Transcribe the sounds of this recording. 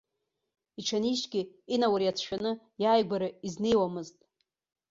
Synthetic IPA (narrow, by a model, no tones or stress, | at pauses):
iʈ͡ʂʰaniʃɡʲɪinawaɾiat͡sʰʃᶣanɨ | jaːjɡʷaɾɨizne̞jwamɨztʼ